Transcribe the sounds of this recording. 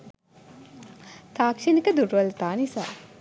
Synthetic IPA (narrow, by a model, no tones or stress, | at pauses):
t̪aːkʂenikəd̪uɾʋɐlt̪aːnisa̰ː